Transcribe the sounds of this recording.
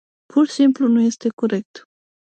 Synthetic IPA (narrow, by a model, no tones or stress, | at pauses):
pʰursimplunuje̞st̪e̞koɾe̞k̚t̪